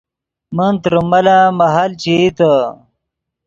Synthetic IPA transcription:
mənt̪ɾumɐlamɐɦalt͡ɕit̪ə

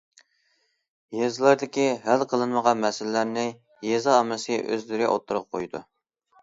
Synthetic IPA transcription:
jezɨlˠɑɾd̪ɪkʲiɦælqʰəlˠɨnməʁɑnmɛsɪllːæɾnɪ | jezɑːmɨsɨʔø̰zlɪɾɪʔo̰t̪ʰːuɾʊp̚qʰojd̪ṵ

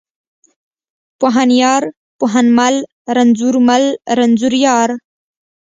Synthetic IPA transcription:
poɦanjɑːɾ | poɦanmal | ɾanzuɾmalɾanzuɾjɑːɾ

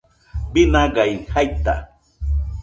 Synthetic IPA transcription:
binaɢajhajt̪a̰

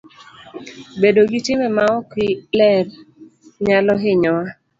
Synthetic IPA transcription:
bedoɡitɪmɛmaɔkɪlɛrɲalɔɦɪɲɔwa

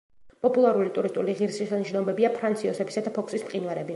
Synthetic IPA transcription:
pʼɔpʼulˠaɾulit̪ʼuɾist̪ʼuliʁiɾsisaniʃnɔbɛbiapʰɾant̪sʰiɔsɛbisad̪apʰɔkʰsismqʼinvɛɾɛbi

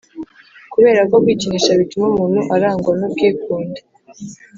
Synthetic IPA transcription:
kuβe̞ːɾako̞bɡwiːciniʃaβitumomuːn̥huʔaɾaːŋɡwanubɡeːkuːnde

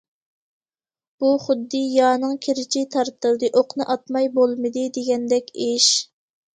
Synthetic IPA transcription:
b̥uχʊd̪ːɨjɑːnɨŋkʲʰeɾɪt͡ʃʰit̪ʰɑɾt̪ʰɨlˠd̪ɨʔoqnɨʔɑt̪̚mɑjbolˠmɨd̪ɨd̪eɡʲɛnd̪ɛkʲeʃ

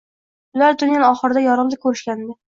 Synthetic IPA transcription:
ʊlaɾd̪ʊnjanɒχɨɾɪd̪ajɒɾɨmd̪ɪkʲʰɵɾɪʃkʲanɪd̪ɪ

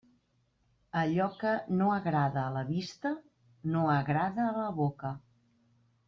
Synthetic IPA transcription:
əʎɔkənoəɣɾaðəːləβist̪ə | noəɣɾaðəːləβokə

